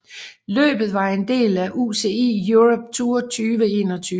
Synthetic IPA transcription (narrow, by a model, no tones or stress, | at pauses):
lø̰ːb̥ð̞̩ˠʋɑ̈end̥e̝̰ːlæʔuse̝ːe̝̰ːjuʁɔb̥̚t͡sʰuːɐt͡sʰyːʋəe̝̰ːnɒt͡sʰyː